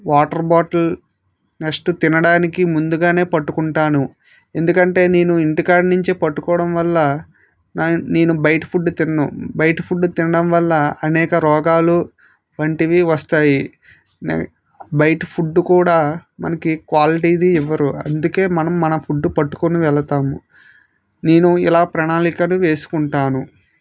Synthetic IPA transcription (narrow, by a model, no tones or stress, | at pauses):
ʋaːʈɐɾbaːʈɐl | neksʈut̪inɐɽaːnikimund̪uɡaːne̞ːpɐʈːukuɳʈaːnu | e̞nd̪ukɐɳʈe̞ːne̞ːnuiɳʈikaːɖnuɲt͡ʃipɐʈːukɔːɽɐmʋɐlːɐ | nne̞ːnubɐjʈpʰuɖːut̪inɐːubɐjʈpʰuɖːut̪inɐɽɐmʋɐlːɐɐnɛːkɐɾɔːɡaːlu | ʋɐɳʈiʋiʋɐst̪aːji | n̰ | bɐjʈpʰuɖːukuːɽaːmɐ̰nɐkikʋaːliʈiːd̪iiʋːɐɾuɐnd̪uke̞ːmɐnɐmːɐnɐpʰuɖːupɐʈːu̥koniʋɛɭɐt̪aːmu | ne̞ːnuḭlaːpɾɐɳaːlikɐnuʋe̞ːsu̥kuɳʈaːnu